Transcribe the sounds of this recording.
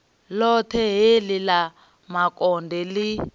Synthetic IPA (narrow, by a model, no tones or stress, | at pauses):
lɔtʰɛɦelila | makɔndʱɛli